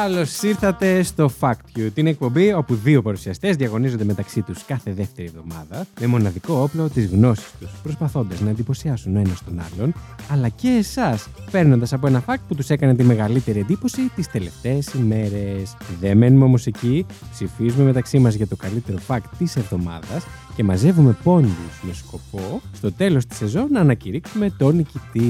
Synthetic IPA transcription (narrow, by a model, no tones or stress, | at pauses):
ɐlosiɾθɐt̪e̞st̪o̞fɐkt̪çut̪inek̚po̞mbio̞puðio̞pɐɾusiɐst̪e̞zðʝɐɣo̞nizo̞nd̪eme̞t̪ɐksit̪uskɐθe̞ðe̞ft̪e̞ɾievðo̞mɐðɐme̞mo̞nɐðiko̞o̞plo̞t̪izɣno̞si̥st̪uspɾo̞spɐθo̞nd̪ɐznɐend̪ipo̞siɐsunoe̞nɐst̪o̞nɐ̰lo̞nɐlɐce̞ːsɐsfe̞ɾno̞nd̪ɐsɐpoe̞nɐfɐk̚t̪̚put̪use̞kɐne̞t̪ime̞ɣɐlit̪e̞ɾiend̪ipo̞sit̪ist̪e̞le̞ft̪e̞ːsime̞ɾesðeme̞numeo̞mo̞se̞cipsifizume̞me̞t̪ɐksimɐzʝɐt̪o̞kɐlit̪e̞ɾo̞fɐkt̪ːise̞vðo̞mɐ̰ðɐsce̞mɐze̞vume̞po̞nd̪usme̞sko̞po̞st̪o̞t̪e̞lo̞st̪i̥se̞zo̞nːɐːnɐciɾiksume̞t̪o̞nicit̪i